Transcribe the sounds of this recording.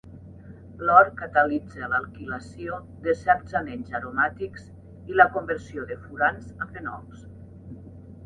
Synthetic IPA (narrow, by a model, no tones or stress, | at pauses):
lɔɾkat̪əlid͡zəlalˠkilasio | ðesɛɾdz̥anenzaɾomat̪ikz̥ | iləkombəɾsioðəfuɾanzafenɔ̰ls